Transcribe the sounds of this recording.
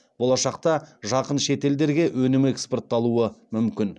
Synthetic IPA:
b̥o̞lˠɑʃɑq̚t̪ɑʒɑqənʃe̞t̪e̞ld̪e̞ɾɡʲe̞ʔwɵnɪmekspo̞rt̪ːɑlˠuəmʏmkʲɪn

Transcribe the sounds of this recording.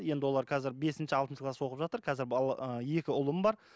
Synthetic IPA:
je̞nd̪ɪwo̞lˠɑɾqʰɑzɪɾbe̞sɪnʃɪɑlt̪ənʃɪklˠaswo̞qəpʒɑt̪əɾqʰɑzɪɾb̪ˠəje̞kʲɪʊlˠəmbɑɾ

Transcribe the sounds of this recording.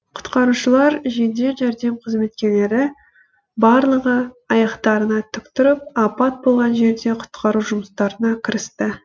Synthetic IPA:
qʰʊ̥t̪qɑɾuʃəlˠɑɾʒe̞d̪e̞ʒæɾd̪e̞mqʰəzme̞t̪̚kʲe̞le̞ɾɪ | bɑɾlˠəʁə | ɑjɑqt̪ɑɾənɑt̪ʰʏkt̪ʏɾɪp̚ɑpɑt̪̚bo̞lˠʁɑnʒe̞ɾd̪e̞qʰʊ̥t̪qʰɑɾuʒʊməst̪ɑɾənɑkʲʰɪɾɪst̪ɪ

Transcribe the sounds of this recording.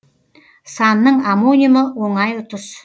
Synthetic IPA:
sɑnːəɴamonʲijəməwoɴɑjʊt̪ʊs

